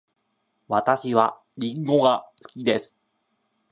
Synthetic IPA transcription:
βat̪aɕiβa | ɾʲĩŋɡo̞ɡasɨ̥kʲid̪e̞sɨ̥

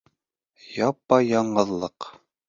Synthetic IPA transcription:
jɑpːɑjɑɴɢɤ̆ðlˠɤq

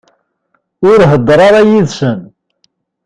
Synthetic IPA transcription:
ʊɾɦəd̪ːɾˤɑɾˤɑjiðsən

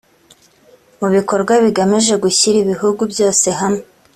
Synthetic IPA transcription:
muβiko̞ɾɡwaβiɡamiʒe̞ɡuçiɾiβiɦuɡubjo̞ːse̞ɦame

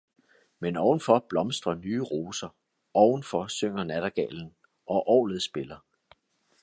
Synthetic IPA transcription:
menɒʊn̩fɒ̽b̥lɒ̽msd̥ʁɐnyːʁo̝ːsɐ | ɒʊn̩fɒ̽søŋ̰ɐnæɾ̥ɐɡ̥ɛ̰ːln̩ | ɒ̽ʔɒ̰ːlð̩ˠsb̥e̝lɐ

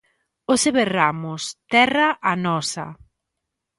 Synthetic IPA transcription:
oseβeramʊst̪ɛraʔanɔsɐ̰

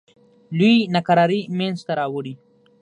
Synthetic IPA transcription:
luinakaɾɑɾimenzt̪aɾɑwəɽi

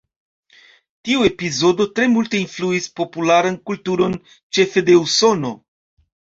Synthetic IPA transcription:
tiue̞pizo̞do̞tɾe̞multe̞influispo̞pulaɾankultuɾo̞n | t͡ʃe̞fe̞de̞uso̞no̞

